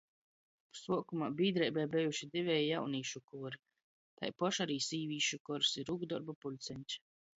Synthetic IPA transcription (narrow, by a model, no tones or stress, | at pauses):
suɔkumaːbiːd̪ɾɛjbɛjbɛjuʃid̪ivʲɛjjawniːʃukuɔɾi | t̪a̰jpɔʃaɾiːsiːvʲiːʃukɔɾsiɾuɡd̪ɔɾbapulʲt̪sʲɛnʲt͡ʃʲ